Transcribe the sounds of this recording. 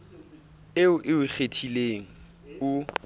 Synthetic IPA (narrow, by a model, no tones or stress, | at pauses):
ɪʊʔɪʊk͡xetʰileŋ̩ | ʊ